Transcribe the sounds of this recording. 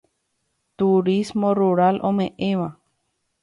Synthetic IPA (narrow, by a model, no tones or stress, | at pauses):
t̪uɾismõ̞ruɾalʔõ̞mẽ̞ʔẽ̞ʋa